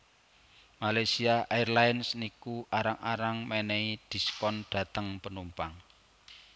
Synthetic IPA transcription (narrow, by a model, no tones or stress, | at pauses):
malajsiaʔajrlajnsnikuʔaɾaŋaɾaŋmeneiɖ̪̥i̤skɔnɖ̥ä̤t̪əŋpənumpaŋ